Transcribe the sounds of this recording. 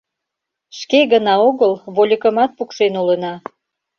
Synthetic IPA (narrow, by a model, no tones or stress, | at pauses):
ʃkeɣənɑoɣəlβolʲəkəmɑt̪̚pukʃenulənɑ